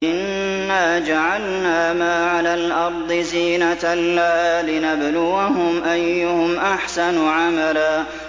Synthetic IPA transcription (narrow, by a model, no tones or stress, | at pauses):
ʔɪnː | aːd͡ʒaʕalnaːmaːʕalaːlʔɑɾˤd̪ˤɨziːnaalːahaːlɪnablʊwaɦʊmʔajːʊhʊmʔaħsanʕamalaː